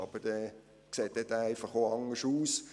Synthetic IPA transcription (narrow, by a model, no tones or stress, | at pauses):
ɑ̰b̥əd̥ɛ | kseːt̚ːɛdɛæɪfɑχoːɑŋəʃuːs